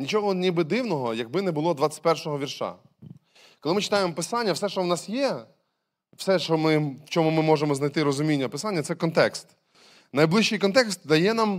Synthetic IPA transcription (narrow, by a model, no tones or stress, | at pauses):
nʲit͡ʃɔɦɔnʲibɪd̪ɪwnɔɦɔjɐɡ̚bɪnɛbʊlˠɔd̪ʋat͡sʲɐ̥t̪̚ʲpɛrʃɔɦɔʋʲirʃɑ̰ | kɔlˠɪmɪt͡ʃɪ̥t̪ɑjemɔpɪsɑnʲːɐwsɛʃt͡ʃɔwnɑsjɛ | w̥sɛʃɔmɪwt͡ʃɔmʊmɪmɔʒemɔznɐjt̪ɪɾɔzʊmʲinʲːɐpɪsanʲːɐt̪sɛkɔnt̪ɛkst̪ | nɐjblˠɪʃt͡ʃɪjkɔnt̪̬ɛkst̪̚d̪ɐjɛnam